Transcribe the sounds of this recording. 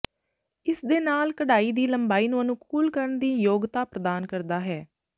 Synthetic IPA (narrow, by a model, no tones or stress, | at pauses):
ɪsd̪eːnaːlkəɽaːiːd̪iːləmbaːiːnũːənũːkuːlkəɾəɳd̪iːjoːɡt̪aːpɾəd̪aːnkəɾd̪aːɦɛː